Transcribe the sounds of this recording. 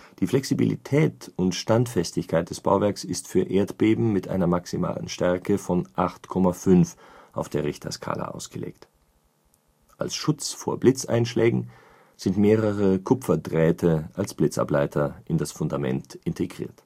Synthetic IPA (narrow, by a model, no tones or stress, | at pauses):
d̥iːflɛksibḭlḭtʰɛːtʊntʃtantfɛstɪçkʰaɪt̚d̥ɛsb̥a̰ʊvɛɐksɪstfyːɐʔeːɐtb̥eːbm̩ːɪtʔa̰ɪnɐmaksima̰ːlə̰nʃtɛɐkəfɔnʔaχtkʰɔmafʏnf | ʔaʊfd̥eːɐʁɪçtʰɐ̰skʰa̰ːlə̰ʔa̰ʊsɡ̥əlḛːkt | ʔa̰lsʃʊt͡sfoːɐblɪt͡sa̰ɪnʃlɛːɡŋ̩ | z̥ɪntmeːʁəʁəkʰʊpfɐdʁɛːtʰəʔalsb̥lɪt͡sa̰plaɪtʰɐʔɪndasfʊndamɛ̰ntʔɪntʰeɡʁḭːɐt